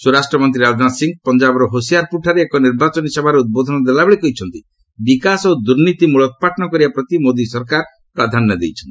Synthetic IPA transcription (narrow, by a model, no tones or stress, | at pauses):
suɾasʈɾɔmɔnt̪̬ɾiɾad͡ʒɔnasiŋɡ̚pɔnd͡ʒabɔɾɔɦosijaɾpuʈʰaɾeekɔniɾbat͡ʃɔnisebʱaɾeud̪̚bod̪ʱɔnɔd̪elabeɭekɔɦit͡ʃʰɔnt̪i | bikasod̪uɾnit̪imuɭɔkɔpaʈʰɔnɔkɔɾibapɾɔt̪imod̪isɔɾkaɾ | pɾad̪ʱanːɔd̪ḛjt͡ʃʰɔnt̪i